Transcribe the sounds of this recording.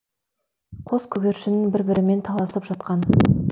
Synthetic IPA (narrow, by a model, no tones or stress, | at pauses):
qʰo̞skʲʰɵɡʲe̞ɾʃɪnɪŋbɪɾbɪɾɪme̞nt̪ʰɑlˠɑsəpʒɑt̪qɑn